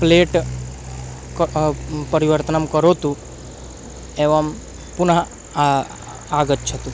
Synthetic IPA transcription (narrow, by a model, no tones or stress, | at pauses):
pleːʈ | kpəɾiʋəɾt̪ənəmkəɾot̪ũ | eʋam | pʊnɦ | aːɡət̪̚t͡ʃʰɐt̪u